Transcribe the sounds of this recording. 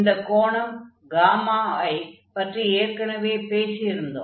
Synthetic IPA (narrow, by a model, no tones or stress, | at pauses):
nd̪ɐkoːɳɐm | ɡaːmaːɐːj | pɐʈrieːɾkɐɳɐʋeːpeːsijɪɾɯnd̪o̰